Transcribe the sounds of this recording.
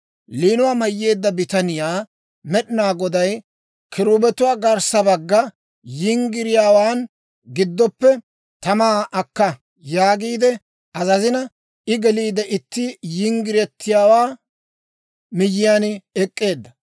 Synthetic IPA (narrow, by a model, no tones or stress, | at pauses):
liːnʊwaːmɐjːe̞ːd̪ːɐbɪt̪ɐnɪjaː | mɛɗɪnaːɡɔd̪ɐj | kʰɪɾuːbɛt̪ʊwaːɡɐɾsɐbɐɡːɐ | jɪŋɡɪɾɪjaːwaːn | ɡɪd̪ːɔpːɛ | t̪ɐmaːʔɐkːɐ | jaːɡiːd̪ɛ | ʔɐzɐzɪnɐ | ɪɡɛliːd̪ɛʔɪt̪ːɪjɪŋɡɪɾɛt̪ʰːɪjaːwaː | mɪjːɪjaːnɪɛkʼːe̞ːd̪ːɐ